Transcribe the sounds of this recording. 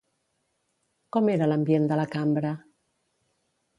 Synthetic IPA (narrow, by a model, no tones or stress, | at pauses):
kɔmeɾalambjend̪əlakambɾa